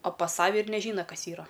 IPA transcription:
oː pɐs ˈsɑːʋʲɛ ɪr nʲɛˈʒʲiːnɐ ˈkɐs ˈiːrɐ

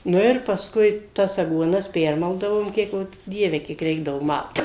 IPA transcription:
ˈnʊ ɪr pɐsˈkʊɪ tɐs ɐɡuɔˈnɐs ˈpʲɛrmɐlˠdɐʋoːm ˈkʲiɛk jɛʊ ˈdʲiɛʋʲɛ kʲiɛk ˈrʲɛɪɡdɐʋʊ ˈmɐlˠt

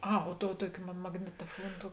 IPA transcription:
ˈɐ oː ˈtoːʊ ˈtuɔkʲɪ mɐ mɐɡnʲɪtoːˈfuɔn ˈtoːʊ

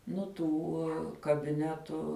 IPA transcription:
ˈnʊ ˈtuː kɐbʲɪˈnʲæːtʊ

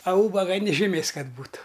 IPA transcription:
ɐ ˈuːbɐɡɐ nʲɪ ʒʲɪˈmʲeːs ˈkɐt ˈbuːtʊ

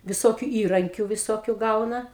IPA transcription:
ʋʲɪˈsoːkʲʊ ˈiːrɐŋʲkʲʊ ʋʲɪˈsoːkʲʊ ˈɡɐʊnɐ

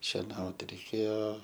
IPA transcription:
ʃʲɛˈnɐʊt rʲɛɪˈkʲeːjoː

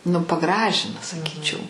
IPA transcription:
nʊ pɐˈɡrɑːʒʲɪnɐ sɐˈkʲiːt͡ʃʲɛʊ

